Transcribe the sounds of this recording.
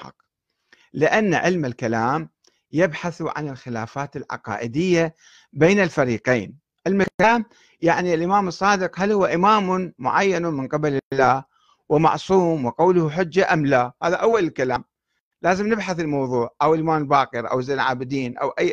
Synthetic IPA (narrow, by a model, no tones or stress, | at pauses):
ħɑ̰q | lɪʔanːaʔɪlmɪlkalaːm | jɪbħaθʕa̰nɪlxɪla̰ːfaːt̪ɪlʕɑ̰qɑ̰ːʔɪd̪ɪjːa | beːnalfaɾiːqeːn | ʔɪlmɪkaːm | jaʕnilʔɪmaːmɨsˤːɑːd̪ɨqhalhʊwːaʔɪmaːmʊmʊʕajːanmɪnqɪbalɪlːaː | wɪmɑ̰ʕsˤuːmwɪqawlʊhħʊd͡ʒːaʔamlahaːðaʔawːalɪlkalaːm | laːzɪmnɪbħaθɪlmɑwðˤuːʕʔawɪlʔɪmaːmɪlbaːqɨɾʔa̰wzejlʕaːbɪd̪iːnʔa̰wʔa